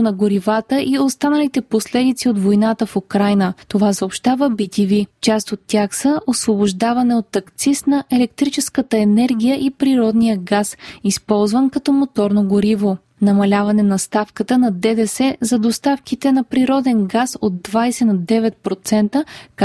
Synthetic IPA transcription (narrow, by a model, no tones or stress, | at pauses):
ʊnɐɡoɾivat̪əʔiost̪anəlit̪ɛposlɛd̪it̪siot̪vojnat̪əfokɾajnət̪ovasəopʃt̪avəbit̪ʲivit͡ʃast̪ot̪ːʲjaxsəʔosvoboʒd̪avɐnɛot̪ːɐkt̪sisnɐʔɛlɛk̚t̪ɾit͡ʃɛskət̪əɛnɛɾɡʲijəʔipɾiɾɔd̪nijəɡasispɔlˠzvənkɐt̪ɔmot̪ɔɾnoɡoɾivo | nɐmɐlʲavɐnɛnɐst̪afkət̪ənɐd̪ɛd̪ɛsɛzɐd̪ost̪afkit̪ɛnɐpɾiɾɔd̪ɛnɡasod̪dːvajsɛnɐd̪ɛvɛt̪̚pɾot̪sɛnt̪ək